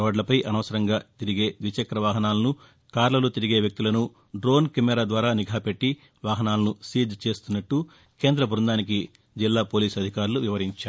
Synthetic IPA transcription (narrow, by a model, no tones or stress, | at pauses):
oːɖlɐpɐjʔɐnɐʋːsɐɾɐŋɡaːt̪iɾiɡe̞ːd̪ʋit͡ʃɐkɾɐʋaːɦɐnaːlɐnu | kaːɾlɐlut̪iɾiɡeːʋjɐk̚t̪ulɐnu | ɖɾo̞ːnkemɛɾaːd̪ʋaːɾaːniɡʱaːpe̞ʈːi | ʋaːɦɐnaːlɐnusiːd͡ʒt͡ʃe̞ːst̪unːɐʈːu | ke̞ːnd̪ɾɐbʱuɾund̪aːnik̬i | d͡ʒilːaːpo̞ːliːsɐd̪ʱikaːɾluʋiʋɐɾiɲt͡ʃaː